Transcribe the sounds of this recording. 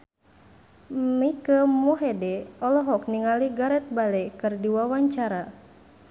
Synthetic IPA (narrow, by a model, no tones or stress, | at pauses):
mikəmuɦɛdɛɔlɔɦɔk̚niŋaliɡaɾɛt̪̚balɛkɨrdiwawaɲt͡ʃaɾa